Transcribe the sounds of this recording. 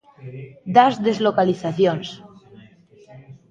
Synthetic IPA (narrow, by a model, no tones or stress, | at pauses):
d̪azðezlokaliθaθjons